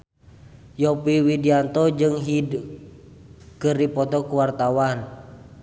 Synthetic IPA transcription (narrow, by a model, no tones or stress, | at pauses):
jɔpiwidiant̪ɔd͡ʒɨŋɦid | kɨripɔt̪ɔkuwart̪awan